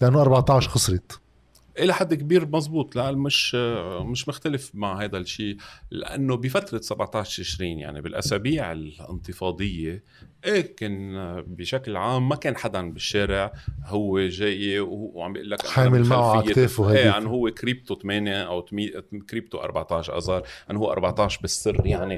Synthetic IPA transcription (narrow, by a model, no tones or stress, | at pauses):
lʔanːoʔɑɾˤbɑʕt̪ɑʕʃxɑsˤɾɪt̪ | ʔɪlaħad̪ːkbiːɾmɑzˤbuːt̪ˤlaʔmɪʃmɪʃmʊxt̪alɪfmaʕhajd̪aʃiːla̰ʔa̰nːobɪfat̪ɾˤɑsabʕt̪ˤaːʃt̪ɪʃɾiːnja̰ʕnḭbɪlʔa̰saːbiːʕɪ̰lɪ̰nt̪ɨfɑːd̪ˤɨjːe | ʔeːkɪnbɪʃaklʕaːmːakeːnħad̪anbɪʃːeːɾɪʕhʊwːeʒeːjewʕambjʔɪlːakʔaħaːmɪlmalʕfajːet̪eːfhaeːanːɦʊwːekɾib̚t̪ot̪ameːneʔawt̪mikɾiːb̚t̪oʔɑ̰ɾˤbaʕt̪aʕʃʔɑ̰zˤɑːɾˤʔanːhuːʔɑ̰ɾˤbaʕt̪aʕʃbɪsːɪrːjaʕni